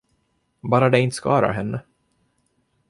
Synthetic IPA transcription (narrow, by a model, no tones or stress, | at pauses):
bɑːɾad̪ɛɪnt̪əskɑ̰ːɾa̰ɦɛnːə